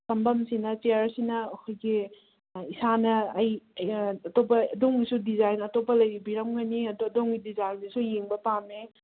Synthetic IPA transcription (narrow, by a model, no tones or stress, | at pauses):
sɐmbɐmsinɐt͡ʃeaɾsinɐːkʰojɡi | isanɐːjː | tobɐːdoŋɡisudizajnɐtopːɐlɐjɾibiɾɐmɡɐniɐddoŋɡidizajnisujeŋbɐpame